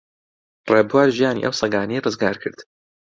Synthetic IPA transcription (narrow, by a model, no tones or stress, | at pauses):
reːbwaːɾʒijaːnḭʔɐ̰wsˤɐɡaːnejrɨzɡaːɾkʰɨɾd̪̥